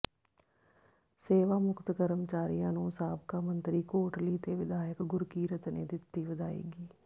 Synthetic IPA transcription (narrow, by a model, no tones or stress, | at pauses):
seːʋaːmʊkt̪ɡəɾəmt͡ʃaːɾijãːnũːsaːbkaːmənt̪ɾiːkoːʈliːt̪eːʋɪd̪aːjəkɡʊɾkiːɾət͡ʃnḛːd̪ɪt̪ːiːʋəd̪aːḭːɡiː